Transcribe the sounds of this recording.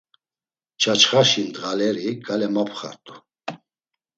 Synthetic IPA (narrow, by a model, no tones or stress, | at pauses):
t͡ʃʰat͡ʃʰχaʃind̪ɣalɛɾiɡʼalɛmapʰχa̰ɾt̪ʼu̥